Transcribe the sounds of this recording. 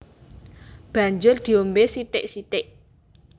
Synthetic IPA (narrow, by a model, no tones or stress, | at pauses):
b̥a̤ɲd͡ʒʊrd̪̥i̤ombesit̪ɪ̰ʔsit̪ɪʔ